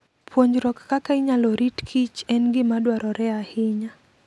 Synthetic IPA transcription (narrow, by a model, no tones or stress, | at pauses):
pʰwoɲd͡ʒɾɔkkakaiɲalɔɾitkʰit͡ʃɛnɡɪmadwaɾɔɾɛahɪɲa